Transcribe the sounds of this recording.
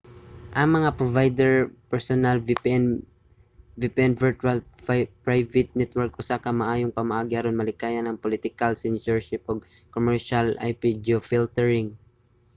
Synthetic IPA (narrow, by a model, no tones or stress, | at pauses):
ʔɐŋmɐŋapɹovajd̪ɛɹpɛɹsonalvn | vɪpʔɛnvɛɹt̪ualpɹajvɪt̪̚nɛt̪wɛɹk̚ʔʊsakɐmɐʔaːjoŋpɐmɐʔaːɡɪɐɾonmɐlɪkaːjɐnɐŋpolɪt̪ɪkalsɛnsɛɹʃɪpʔoɡ̚ | komɛɹʃala̰jpid͡ʒofilt̪ɛɹɪŋ